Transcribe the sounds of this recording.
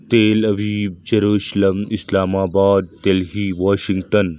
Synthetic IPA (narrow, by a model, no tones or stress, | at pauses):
t̪eːlɐʋid͡ʑɐɾuːʃlɐmislaːmaːbaːd̪̚t̪elɦiːʋaːʃiŋɡʈən